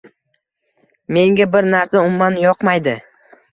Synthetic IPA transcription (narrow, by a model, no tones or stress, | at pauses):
me̞ŋɡʲabɪɾnaɾsaʊmːanjɒqmajd̪ɪ